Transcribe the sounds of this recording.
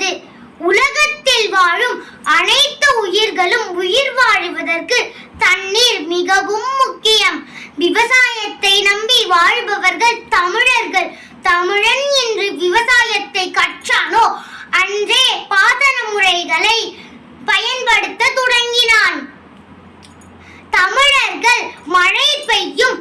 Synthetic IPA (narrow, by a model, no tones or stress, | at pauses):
ðɯ | ʊlɐɣɐt̪ːɪlʋaːɻɯm | ɐnɐɪt̪ːɐʊjɪɾɣɐɭɯmʊjɪɾʋaːɻɯʋɐðɐrkɯ | t̪ɐnːiːɾmɪɣɐʋɯmːʊkːɪjɐmʋɪʋɐsaːjɐt̪ːɐɪnɐmbiʋaːɻbɐʋɐɾɣɐɭt̪ɐmɪɻɐɾɣɐɭ | t̪ɐmɪɻɐnɛndrɯʋɪʋɐsaːjɐt̪ːɐɪkːɐʈ̚t͡ʃaːnoːɐndreːpaːðɐnɐmɯrɐɪɣɐɭɐɪ | pɐjɐnpɐɽɯt̪ːɐt̪ʊɽɐŋɡɪnaːn | t̪ɐmɪɻɐɾɣɐɭmɐɻɐɪpːɐjːɯm